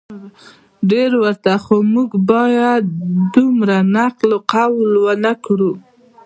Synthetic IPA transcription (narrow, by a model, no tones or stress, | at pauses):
ɖeɾwəɾt̪axomuɡbɑjad̪̚d̪umɾanaqloqawlwanakɾu